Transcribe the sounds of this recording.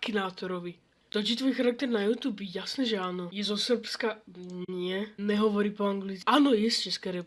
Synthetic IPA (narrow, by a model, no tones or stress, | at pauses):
kinaːt̪ɔɾɔʋi | d̪̥ɔd͡ʒit̪vʋɔːjxaɾak̚t̪ɛɾnajuːt̪uːbjɛjasnɛːʒɛaːnɔjɛzɔsr̩pskanɪɛnɛɦɔʋɔɾiːpɔaŋɡlit͡saːnɔjɛst͡ʃɛskɛɾɛp